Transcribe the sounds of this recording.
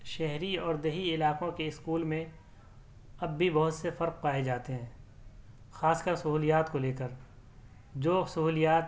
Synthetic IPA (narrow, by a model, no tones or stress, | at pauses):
ʃɛɦɾiɔːɾd̪ɐɦiɪlaːqõkeɪskuːlmẽ | ɐbːibɐɦʊt̪sefɐɾq̚paːed͡ʒaːt̪eɦɛ̃ː | xaːskəɾsɐɦuːlijaːt̪koleːkəɾ | d͡ʒoːsɐɦuːlijaːt̪